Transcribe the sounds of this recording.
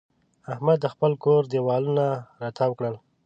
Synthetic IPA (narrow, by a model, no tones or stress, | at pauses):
ahmad̪ːəxpəlkoɾd̪ewɑlunaɾat̪ʰawəkɽəl